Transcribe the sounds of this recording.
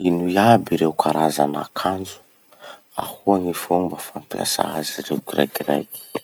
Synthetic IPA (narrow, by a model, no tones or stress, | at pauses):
inuiabiɾewkʰaɾazana̰kʰand͡zu̥ | a̰huaŋifumbəfampia̰sa̰azirḛuɡrḛkra̰jk